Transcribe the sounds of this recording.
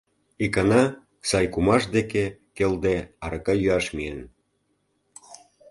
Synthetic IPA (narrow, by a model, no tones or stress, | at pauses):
ikɑnɑ | sɑjkumɑʃd̪ekekeld̪eɑɾɤkɑjyɑʃmien